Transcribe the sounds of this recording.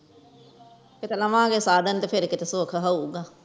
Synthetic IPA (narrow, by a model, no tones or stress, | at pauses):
kɪt̪elɐʋãːkeːsaːd̪ʱənt̪epʰɪɾkɪt̪esoːkʰɦəuːɡaː